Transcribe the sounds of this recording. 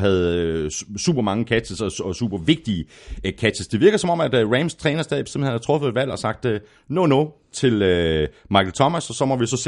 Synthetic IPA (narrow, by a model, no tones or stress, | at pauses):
ɦæð̞̩ˠøsṵːb̥ɐmɑ̈ŋəkʰæt͡səsɒɒ̽sṵːb̥ɐʋe̝ɡ̥̚d̥ikʰæ̥t͡sʰəsd̥e̝ʋiɐɡ̥ð̩ˠsɒ̽mɒ̽mæd̥ʁæmst͡sʰʁɛːnɐsdɛðˠi̥be̥semhenhæt͡sʰʁɔ̽fəð̩ˠe̝d̥ʋæl̰ɒ̽sɑ̈ɡ̥̚d̥ø | nonɔ | t͡sʰe̝lø | mɑ̈ɪkʰl̩t͡sʰɒ̽mæsɒ̽sɒ̽mɒ̽ʋisɒ̽s